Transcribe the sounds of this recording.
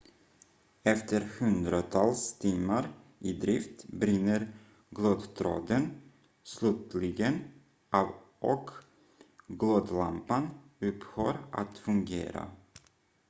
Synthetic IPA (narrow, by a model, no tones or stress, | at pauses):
ɛft̪əɾhɵnd̪ɾat̪ʰɑlst̪ʰiːmaɾ | ʔɪd̪ɾɪft̪bɾɪnːəɾ | ɡloːd̪t̪ʰɾo̰ːd̪ən | slʉːt̪lɪɡən | ʔɑv | ʔɔk | ɡloːd̪lampanɵphøːɾʔa̰t̪fɵŋɡḛːɾa̰